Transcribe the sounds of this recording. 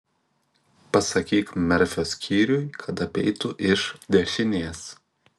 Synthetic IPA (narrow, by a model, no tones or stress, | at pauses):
pɐsɐkʲiːkmʲɛɾʲfʲoːsʲkʲʰiːɾʲʊjkʰɐt̪ɐpʲɛɪt̪ʊʔɪʃd̪ʲɛʃʲɪnʲeɛs